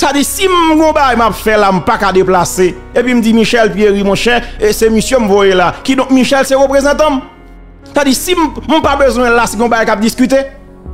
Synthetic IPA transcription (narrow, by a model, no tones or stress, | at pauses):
tad͡zisimɡɔ̃baɡajmapfɛlam̩pakadeplaseepwim̩d͡zimiʃɛlpieʁimɔ̃ʃɛsemisjɔ̃m̩vojelakidɔ̃k̚miʃɛlseɣøpʁezɑ̃t̪ɑ̃m | stadisim̩m̩pabøzw̃ɛɛ̃lasɡɔ̃baɡajkap̚diskyt̪e